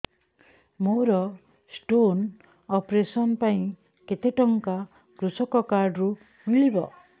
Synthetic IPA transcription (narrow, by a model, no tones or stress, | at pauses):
moɾɔ | sʈon | ɔpɾesɔnpaĩ | ket̪eʈɔŋka | kɾusɔkɔkaɾɖɾu | uŋlibɔ